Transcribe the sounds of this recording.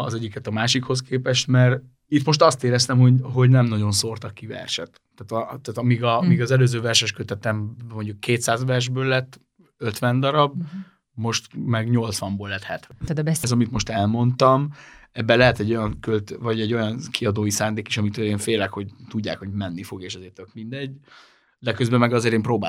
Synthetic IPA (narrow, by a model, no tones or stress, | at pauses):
ɒzɛɟːikɛt̪ɒmaːʃikho̞skʰeːpɛʃt̪mɛr | it̪mo̞ʃt̪ɒst̪eːɾɛst̪ɛmho̞ɟɦo̞ɟnɛmnɒɟo̞nso̞rt̪ɒkːivɛ̰rʃɛt̪ː | aːt̪ɒt̪aːt̪ɒmiːɡɒmiːɡɒzɛløːzøːvɛrʃɛʃkøt̪ɛt̪ɛmmo̞ɲɟukːeːt̪saːzʋɛrʒbøːlːɛt̪ː | øt̪ʋɛnd̪ɒɾɒb | mo̞ʃt̪mɛɡɲo̞lt̪sʋɒmboːlːɛt̪hɛt̪ʋɛzɒmit̪mo̞ʃt̪ɛlmo̞nt̪ɒmɛbːɛlɛɦɛt̪ɛɟːo̞jɒŋkølt̪vɒɟɛɟːo̞jɒnkʰiɒd̪oːjisaːnd̪eːkiʃɒmit̪øeːɱfeːlɛkho̞ɟt̪uɟːa̰ːkho̞ɟmɛnːifo̞ɡeːʃɒzeːrt̪økmind̪ɛɟː | d̪ɛkøzbɛmɛɡɒzeːɾeːmpɾoːbaː